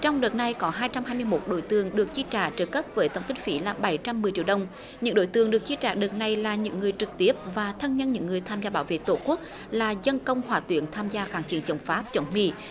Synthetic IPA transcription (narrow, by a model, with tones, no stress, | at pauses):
t͡ɕɔ˧wŋ͡mɗə˨˩t̚na˧jkɔ˨˦ɦaː˧jt͡ɕa˧mhaː˧jmɨ˧əjmo˦˥t̚ɗo̰˧˥˦jt̪ɨ˨˩əŋɗɨ˨˩ək̚t͡ɕi˧t͡ɕaː˧˩t͡ɕəː˧˩kə˦˥p̚vəː˨˦jt̪ə˧˩wŋ͡mkï˧ŋ̟fi˨˦laː˨˩ɓa˨˩˦jt͡ɕa˧mːɨ˨˩əjt͡ɕḭ˧˨˩ɗə˧wŋ͡m | ɲɨ̰˧˥ŋɗo̰˧˥˦jt̪ɨ˨˩əŋɗɨ˨˩ək̚t͡ɕi˧t͡ɕa̰ː˧˩ɗə˨˩t̚na˨˩jlaː˨˩ɲɨ̰˧˥ŋːɨ˨˩əjt͡ɕɨ˨˩k̚t̪i˦˥əp̚vaː˨˩t̪ʰə˧nɲə˧˨nɲɨ̰˧˥ŋːɨ˨˩əjt̪ʰaː˧mzaː˧ɓaː˨˦wvḛ˧˨t̪o˧˩˦ku˦˥ək̚laː˨˩zə˧nkə˧wŋ͡mhwaː˧˩t̪wi˧˩˦ənt̪ʰaː˧mzaː˧xaː˧˩ŋt͡ɕi˧˩ənt͡ɕə˨˩wŋ͡mfaː˦˥p̚t͡ɕə˨˦nmḭ˧˨